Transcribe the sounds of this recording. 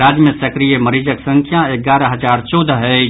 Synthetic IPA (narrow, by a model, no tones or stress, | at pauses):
aːd͡ʒmesəkɾijeməɾiːd͡ʒəksə̃ŋkʰjaeɡaːɾaɦəd͡ʒaːɾt͡ʃɔːd̪aɦɛ